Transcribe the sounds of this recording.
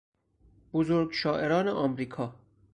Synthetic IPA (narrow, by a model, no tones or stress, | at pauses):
b̥ozoɾɡʃɒːʔeɾɒːneʔɒːmɾiːkʰɒː